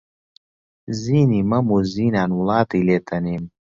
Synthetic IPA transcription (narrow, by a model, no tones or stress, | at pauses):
ziːniːmɐmuziːnaːnwlɑːt̪ileːt̪ʰɐniːm